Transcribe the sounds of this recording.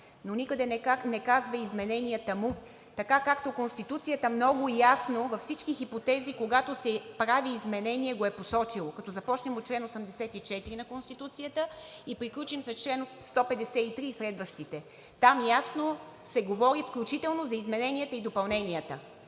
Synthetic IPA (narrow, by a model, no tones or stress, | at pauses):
nonikəd̪ɛanɛkazvəizmɛnɛnijət̪əmu | t̪ɐkakakt̪okonst̪it̪ut̪sijət̪əmnɔɡʊjasnovɐfsit͡ʃkixipot̪ɛzikoɡat̪osɛpɾaviːzmɛnɛniɛɡoɛposɔt͡ʃilˠokɐt̪ɔzɐpɔt͡ʃnɛmot̪̚t͡ʃlɛnosɐmd̪ɛsɛt̪it͡ʃɛt̪iɾinɐkonst̪it̪ut̪sijət̪əipɾiklʲut͡ʃimsɐst͡ʃlɛnost̪ɔpɛd̪ɛsɛit̪ɾiːsɾɛd̪vəʃt̪it̪ɛ | t̪amjasno | sɛɡovɔɾifklʲut͡ʃit̪ɛlˠnozɐizmɛnɛniət̪əid̪opɐlˠnɛnʲiət̪ə